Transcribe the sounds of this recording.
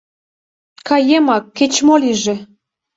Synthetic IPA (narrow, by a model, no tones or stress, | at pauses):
kɑjemɑkːet͡ɕmoliʒĕ